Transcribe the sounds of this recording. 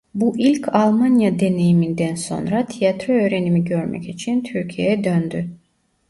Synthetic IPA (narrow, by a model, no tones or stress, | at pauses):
buʔilʲcʰalˠmanjad̪e̞ne̞jimind̪ɛnso̞̰nɾat̪ʰijat̪ʰɾoø̞jɾenimiɟøɾmɛ̰cit͡ʃʰint̪ʰyɾcʰijeɛd̪ønd̪y